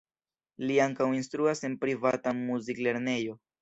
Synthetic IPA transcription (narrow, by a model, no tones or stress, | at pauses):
liaŋkawinstɾuase̞npɾivatamuzikle̞ɾne̞jo̞